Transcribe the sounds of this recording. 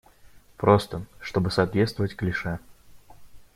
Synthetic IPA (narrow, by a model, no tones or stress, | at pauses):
pɾost̪əʂt̪o̞bɨsɐːt̪vʲet̪st̪vəvətʲklʲɪʂɛ